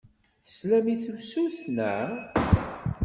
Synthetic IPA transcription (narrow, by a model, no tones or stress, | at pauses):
θslæmiθəwsuθnæ